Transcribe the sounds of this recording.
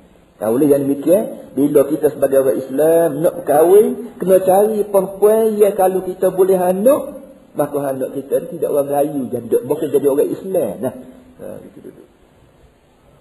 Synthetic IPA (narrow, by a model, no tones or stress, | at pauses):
ka̰ulɪhjaŋdəmikianbilokit̪əsəbaɡajoɣaʔislamnɔʔpəkawikənot͡ʃaɾipɔnpɛijakalukit̪əbulɛɦanɔʔ | makɔɦanɔʔkit̪ənt̪idaʔoɾaŋlajud͡ʒadɔʔbokʊnd͡ʒadioɾaḭslamlahə̰ɡit̪ududu